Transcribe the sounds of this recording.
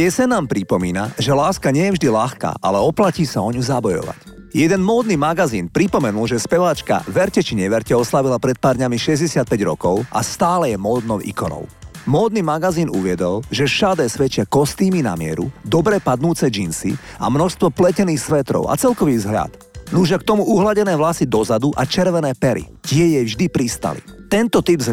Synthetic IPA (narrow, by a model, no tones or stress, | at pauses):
ɛsɛnaːmpɾipɔmiːnaʒɛlaːskaɲɪɛjɛvʒd̪ilaxka̰ːʔa̰lɛɔplaciːsaɔɲuzabɔjɔ̰ʋa̰c | jɛd̪ɛnmɔːd̪nimaɡaziːnpɾipɔmɛnulʒɛspɛʋaːt͡ʃka̰ʋɛɾcɛt͡ʃiɲɛʋɛɾcɛɔslaʋilapɾɛt̪̚paːɾd̪ɲamiʃɛzɟɛsɪat̪̚pɛɟɾɔkɔʊʔa̰st̪aːlɛjɛmɔːd̪nɔʊʔḭkɔnɔ̰ʊmɔːd̪̚niːmaɡaziːnuʋɪɛd̪ɔlʒɛʃad̪ɛːsʋɛt͡ʃɪakɔst̪iːmina̰mɪɛ̰ɾṵd̪ɔbɾɛpad̪nuːt͡sɛd͡ʒinsḭa̰mnɔʃst̪ʋɔplɛcɛniːxsʋɛt̪ɾɔ̰ʊa̰t͡sɛlkɔʋiːzɦʎa̰t̪ | nuʒak̚t̪ɔmuuɦlaɟɛnɛːʋlasid̪ɔzad̪uʔat͡ʃɛɾʋɛnɛːpɛɾḭcɪɛjɛjvʒd̪ipɾist̪a̰lḭt̪ɛnt̪ɔt̪ibz